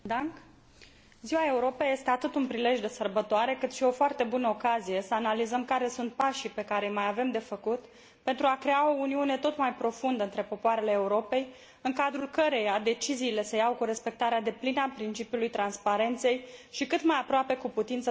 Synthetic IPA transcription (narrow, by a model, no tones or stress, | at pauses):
d̪aŋk | ziwae̞uɾo̞peje̞st̪e̞at̪ɨt̪unpɾile̞ʒd̪e̞sərbət̪oaɾe̞kɨt̪ʃio̞foart̪e̞bunəokazije̞səanalizəmkaɾe̞sunt̪̚paʃipe̞kaɾe̞jmajave̞md̪e̞fəkut̪ | pent̪ɾuakɾe̞ao̞uniune̞t̪o̞t̪majpɾo̞fund̪əɨnt̪ɾe̞po̞poaɾe̞le̞ːuɾo̞pe̞j | ɨŋkad̪ɾulkəɾe̞jad̪e̞t͡ʃiziːle̞səjawkuɾe̞spe̞k̚t̪aɾead̪e̞plinəapɾint͡ʃipjulujt̪ɾanspaɾe̞nt̪se̞jʃikɨt̪majapɾoape̞kuput̪int̪sə